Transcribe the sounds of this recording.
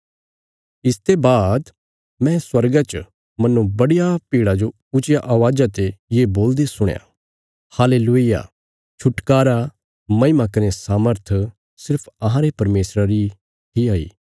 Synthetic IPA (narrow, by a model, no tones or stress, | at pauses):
ɪst̪ebaːd̪ | mɛ̃swɐɾɡat͡ʃ | mɐnːũbɐɽijapiːɽad͡ʒo | ʊt͡ʃɪjaʔaʋaːd͡ʒat̪ejeːboːld̪esʊɽ̃ja̰ | haːleːluɪja̰ | t͡ʃʰʊʈkaːɾa | mɐ̃ɪmakɐnesaːməɾt̪ʰ | sɪɾpʰɐɦãɾepɐɾmeːsɾaɾi | t̪ʰiaːḭː